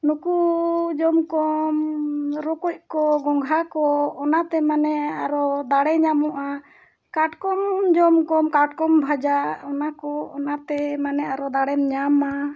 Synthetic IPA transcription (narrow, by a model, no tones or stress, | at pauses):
nukud͡ʒɔmkɔmɾɔkɔc̚kɔɡɔŋɡʱakɔːnat̪ɛmanɛaɾɔd̪aɽɛɲamɔʔa | kaʈkɔmd͡ʒɔmkɔmkaʈkɔmbʱad͡ʒaɔnakɔɔnat̪ɛmanɛaɾɔd̪aɽɛnɲama